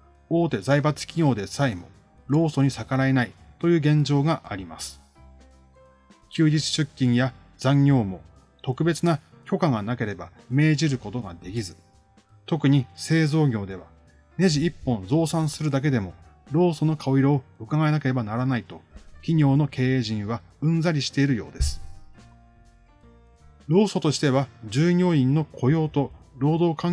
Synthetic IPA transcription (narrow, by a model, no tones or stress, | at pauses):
o̞ːt̪e̞zaibat͡sɨ̥kʲiɲʲo̞ːd̪e̞saimo̞̰ | ɾo̞ːso̞ɲ̟isakaɾae̞nait̪o̞jɯ̟ːɡẽ̞ɲ̟d͡ʑo̞ːɡaʔaɾʲimasɨ̥ | kʲɨːd͡ʑit͡sɨ̥ɕɨkʲːĩɰ̃ja | z̥ãŋɡʲo̞ːmo̞ | t̪o̞kɯ̟be̞t͡sɨna | kʲo̞kaɡanake̞ɾe̞ba | me̞ːʑiɾɯ̟ko̞t̪o̞ɡa̰d̪e̞kʲizɨ | t̪o̞kɯ̟ɲ̟ise̞ːzo̞ːɡʲo̞ːd̪e̞βa | ne̞ʑiipːõ̞nzo̞ːsãɰ̃sɨɾɯ̟d̪ak̬e̞d̪e̞mo̞ɾo̞ːso̞no̞kʰao̞iɾooɯ̟kaɡae̞nake̞ɾe̞banaɾanait̪o̞kʲiɲ̟ʲo̞ːno̞kʰe̞ːeːʑĩɰ̃βa | ɯ̟̃nzaɾʲiɕi̥t̪e̞iɾɯ̟jo̞ːd̪e̞sɨ̥ | ɾo̞ːso̞t̪o̞ɕi̥t̪e̞β̞ad͡ʑɨːɲʲo̞ːĩnːo̞kʰo̞jo̞ːt̪oɾo̞ːd̪o̞ːkãŋ